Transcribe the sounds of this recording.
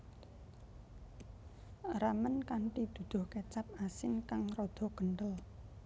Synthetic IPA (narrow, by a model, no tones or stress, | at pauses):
ramənkaɳʈid̪̥ṳd̪̥ʊ̤hket͡ʃap̚asɪnkaŋrɔd̪̥ɔ̤ɡ̥əɳɖəl